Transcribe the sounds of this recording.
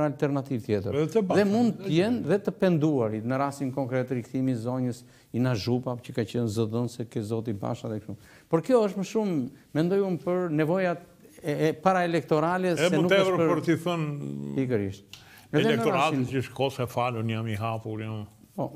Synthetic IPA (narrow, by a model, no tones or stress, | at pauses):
ɾalt̪ɛɾnat̪ivt̪jɛt̪əɾɛðɛmund̪̚t̪əjɛnðɛt̪əpɛnd̪uaɾinəɾast̪inkɔŋkɾɛt̪ɾikθimizɔɲəs | inaʒupacəkat͡ɕənzɔðɔnsɛkɛzɔt̪iba̰ʃaðɛkʃum | pɔɾkəjɔəʃt̪məʃumː | ɛnd̪ɔjumpəɾnɛvɔjat̪ | paɾaɛlɛk̚t̪ɔɾalɛsɛnut̪ɛɾpəɾt̪iθənpikəɾḭʃt̪ | ɛɛɛlɛknət̪ɔɾaɾat̪iiəʃkɔsɛfalunjamiɦapuɾjam | pɔ